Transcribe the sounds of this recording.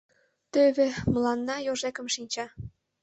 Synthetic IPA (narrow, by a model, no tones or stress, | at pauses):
t̪øβʲĕmə̆lɑnːɑjoʒekə̆mʃinʲt͡ɕɑ